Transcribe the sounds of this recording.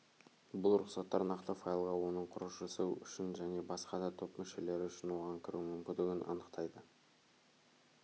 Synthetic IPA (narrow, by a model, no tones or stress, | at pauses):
bʊlˠɾʊqsɑt̪ːɑɾnɑqt̪əfɑjlˠʁɑwo̞nəɴqʰʊɾəʃʒəsəʏ̰ʃɪnʒæne̞bɑsqɑd̪ɑt̪ʰopmɪʃe̞le̞ɾɪʏʃɪnwo̞ʁɑŋkʲʰɪɾumʏmkʲɪnd̪ɪɡʲɪnʔɑ̰nəqt̪ʰɑjd̪ə